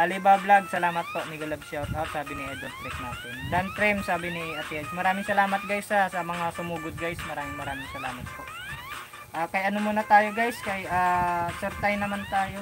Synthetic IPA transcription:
ʔɐlɪbablaɡ̚sɐlaːmɐt̪̚poʔmɪɡɐlɐb̚sɛwt̪ʔot̪saːbɪnɪʔɛd̪ont̪ɾɪk̚na̰ːt̪ɪnd̪ɐnt̪ɾɪmsaːbɪnɪʔɐt̪iɐd͡ʒmɐɾaːmɪŋsɐlaːmɐt̪̚ɡajsɐsɐmɐŋasʊmuːɡʊd̪̚ɡajsmɐɾaːmɪŋmɐɾaːmɪŋsɐlaːmɐt̪̚poʔ | ʔaːkɐjʔɐnomonɐt̪aːjo̞ɡajskɐjʔaːsɛɾt̪ajnɐmant̪aːjo̞

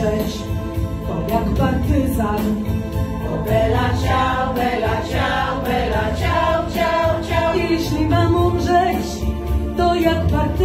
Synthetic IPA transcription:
ɛt͡ɕ | t̪ɔjakpaɾt̪ɪzan | ɔbɛlat͡ɕawbɛlat͡ɕawbɛlat͡ɕawt͡ɕawt͡ɕajɛɕlʲimamɔmʐɛt͡ɕ | t̪ɔjakpaɾt̪

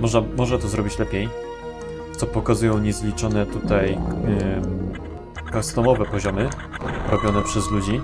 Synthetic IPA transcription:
mɔʐamɔʐat̪ɔzɾɔbʲit͡ɕlɛpʲej | t̪sɔpɔkazujɔ̃w̃ɲɛzlʲit͡ʂɔnɛt̪ut̪aj | kast̪ɔmɔvɛpɔʑɔmɘ | ɾɔbʲjɔnɛpʂɛzlud͡ʑi

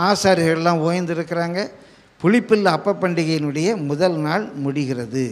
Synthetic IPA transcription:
aːsaːɾɪɣɐɭɛlːãːoːjɐnd̪ɪɾɯkːɪɾaːŋɡɐ | pʊɻɪpːɪlːɐpːɐpːɐɳɖɪɣɐjɪnɯɽɐjɐmʊðɐlnaːɭmʊɽɪɣɪrɐðɯ

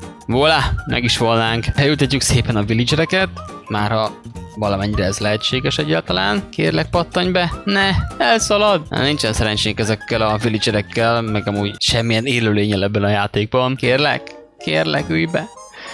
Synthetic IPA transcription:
voːlaːmʔɛ̰ɡiʃʋolnːaːŋkɛlylt̪ɛcːykseːpɛnɒvilid͡ʒɛɾɛkɛt̪maːrhɒvɒlɒmɛɲːiɾɛːzlɛɦɛt͡ʃːeːɡɛʃɛɟːaːlt̪ɒla̰ːnkḛːrlɛk̚pɒt̪ːoɲbɛnɛɛlsɒlɒd̪̰nint͡ʃɛnsɛɾɛnt͡ʃeːŋkɛzɛkːɛlɒvilid͡ʒɛɾɛkːɛlmɛɡɒmuːɟʃɛmːijɛneːløːleːɲɛlɛbːɛnɒjaːt̪eːɡ̚bɒnkeːrlɛ̰k | kːeːrlɛ̰kyjbɛ

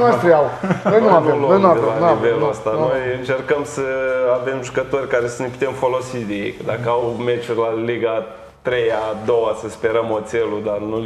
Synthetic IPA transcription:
nast̪ɾiaw̪ojnuaveloojnualaniveluəst̪anno̞jɨnt͡ʃe̞rkəmsəave̞mʒukət̪o̞rʲkaɾe̞səneput̪e̞mfo̞lo̞sid̪ejḛjkəd̪akəawme̞t͡ʃurʲlaliɡa | t̪ɾe̞jad̪o̞wasəspe̞ɾəmo̞t̪se̞lud̪arnu

